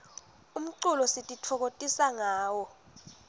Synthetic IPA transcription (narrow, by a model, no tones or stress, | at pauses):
um̩ǀulɔsitʼitʰɔk̬otʼisaŋaːwɔ